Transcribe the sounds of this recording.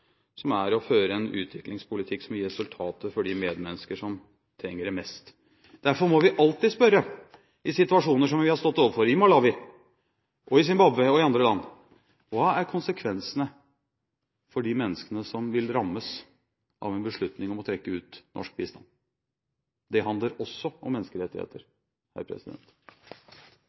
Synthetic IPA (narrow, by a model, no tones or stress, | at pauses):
sɔmæɾɔføːɾəɛnʉ̰ːt̪ʰʋɪklɪŋspʰʊlɪt̪ʰɪkːsɔmɾɛsʉlt̪ʰɑːt̪əfɔɖɪmeːd̪mɛnːəskəʂɔm | t̪ʰɾɛŋːəɖɛmɛst̪ | d̪̥æɾfɔɾmɔʋɪʔɑlt̪ɪspœɾə | ɪsɪt̪ʉɑʂuːnəʂɔmʋɪhɑɾst̪ɔt̪ːoːʋəɾfɔɾɪmɑlɑːʋɪ | ʔɔɪs̬ɪnbɑbəɔɪɑnd̪ɾəlɑnː | ʋɑːæɾkʰʊnsəkʰʋɛnsənə | fɔɖɪmɛnːəskənəsɔmʋɪlɾɑmːəs | ʔɑ̰ʋɛnbəʂɭʉt̪nɪŋɔmɔt̪ʰɾɛkːəʉːt̪nɔ̰ʂk̚biːst̪ɑ̰ːn | d̪ɛɦɑnd̪ləɾɔsːɔɔmːɛnːskəɾɛt̪ːɪhḛːt̪əɾ | hæ̰ɾpʰɾɛ̰sɪd̪ɛ̰nt̪